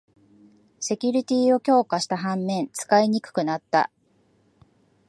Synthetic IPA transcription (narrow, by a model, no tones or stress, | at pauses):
se̞kʲɯɾʲit̪ʲiːo̞kʲo̞ːkaɕi̥t̪aɦãmːẽ̞nt͡sɨ̥kaiɲ̟ikɯ̟̥kɯ̟nat̪ːa̰